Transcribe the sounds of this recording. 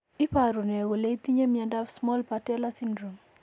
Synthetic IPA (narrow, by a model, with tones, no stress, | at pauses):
ɪ˦pa˨ɾu˨ne˨ɣo˨le˦i˦t̪i˦ɲe˦mjɛ˨nda˦fsmɔ˦lpa˨tɛ˦la˦si˦ndɾo˨m